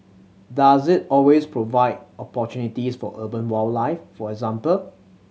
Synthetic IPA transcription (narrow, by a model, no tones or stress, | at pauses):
dazɪt̚ɔlwespʰɹovaɪdɔpɔtjũnitisfɔ̰ʔəbə̃nwɔllaɪffɔɛɡzãmpəl